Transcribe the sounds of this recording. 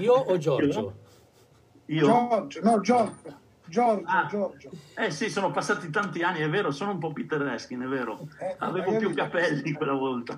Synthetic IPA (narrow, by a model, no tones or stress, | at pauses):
ioɔd͡ʒɔ | iːod͡ʒnɔd͡ʒɔd͡ʒ | d͡ʒɔd͡ʒa | ɛsisoːnopasːaːt̪it̪ant̪ianːiɛvːeːɾosoːnoump̬ɔpit̪ːerːɛsk̟inɛveːɾoa̰veːvopjukːapɛlːikwelːavɔlt̪a